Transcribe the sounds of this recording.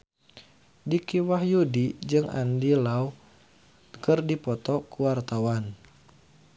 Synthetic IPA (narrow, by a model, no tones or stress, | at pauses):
dikiwahjudid͡ʒɨŋʔa̰ndilau | kɨrdipɔt̪ɔkuwart̪awan